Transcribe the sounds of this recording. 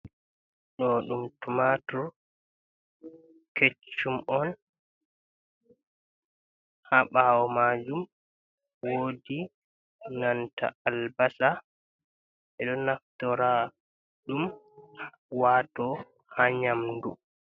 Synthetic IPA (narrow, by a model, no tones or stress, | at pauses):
ɗɔɗumtumatɔ | ket͡ʃumɔn | haɓawɔmad͡ʒum | wodi | nantʰa̰albasa | ɛɗɔnaftɔɾa | ɗum | waːtɔ | haɲamdu